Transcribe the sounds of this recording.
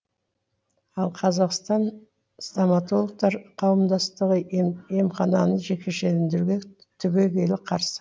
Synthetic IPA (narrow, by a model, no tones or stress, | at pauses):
ɑlˠqʰɑzɑqst̪ɑn | st̪amɑt̪o̞lˠək̚t̪ɑɾqʰɑwəmd̪ɑst̪əʁəemχɑnɑnəʒe̞kʲʰe̞ʃelɪnd̪ɪuɡʲe̞ | t̪ʰʏbe̞ɡʲe̞lɪqʰɑɾsə̥